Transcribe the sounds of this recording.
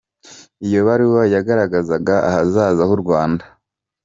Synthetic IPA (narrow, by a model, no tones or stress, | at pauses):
ijo̞βaɾiwojaɡaɾaɡazaɡaa̰hazaːzahuɾɡwaːnda